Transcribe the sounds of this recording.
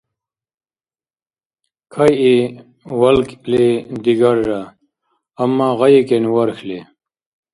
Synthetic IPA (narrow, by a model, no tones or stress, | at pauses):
kʰɐji | wɐlkled̪iɡaɾʐaː | mːaːɣɐjikenwɐɾxle